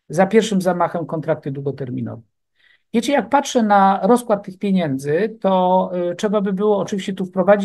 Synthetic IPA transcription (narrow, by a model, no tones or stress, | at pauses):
zapʲjɛɾʂɘmzamaxɛmkɔnt̪ɾak̚t̪ɘd̪wuɡɔt̪ɛɾmʲḭnɔ̰vɛ | vʲjɛt͡ɕɛjak̚patʂɛnaɾɔspkwat̪ːɘxpʲjeɲɛnd̪zɘt̪ɔtʂɛbabɘbɘwɔːt͡ʂɘvʲiɕt͡ɕɛt̪ufpɾɔvad͡ʑi